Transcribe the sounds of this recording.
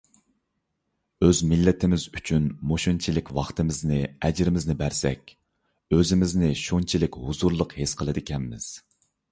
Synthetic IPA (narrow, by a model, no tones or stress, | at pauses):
øzmɪlːɪt̪ʰɪmɪzyt͡ʃʰynmoʃunt͡ʃʰilɪkʲwɑχt̪ɨmɪznɪɛd͡ʒɾɪmɪznɪbæɾsɛ̰kʲ | øzɪmɪznɪʃunt͡ʃʰilɪkʲhuzuɾlˠəqhesqʰəlˠɨd̪ɪkʲʰɛmːɪ̰z̥